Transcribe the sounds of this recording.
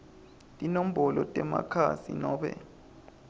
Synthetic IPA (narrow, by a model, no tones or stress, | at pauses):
tʼinom̩ɓɔlɔtʼɛma̰kʰasinɔːɓɛ̰